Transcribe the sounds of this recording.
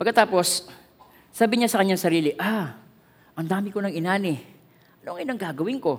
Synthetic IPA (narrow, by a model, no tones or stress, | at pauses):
pɐɡkːɐt̪aːpo̞sː | aːbɪɲasɐkɐɲɲaŋsɐɾiːlɪʔa | ʔɐŋd̪aːmɪkonɐŋɪnaːnɪ | ʔɐnoŋɐjɐŋɡaːɡɐwɪnko̞